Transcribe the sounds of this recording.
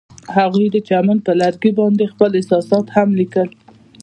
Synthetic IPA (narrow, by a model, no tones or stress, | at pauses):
haɣujd̪ət͡ʃaman̚pəlaɾɡibɑnd̪expəlɪsɑsɑt̪hamlikəl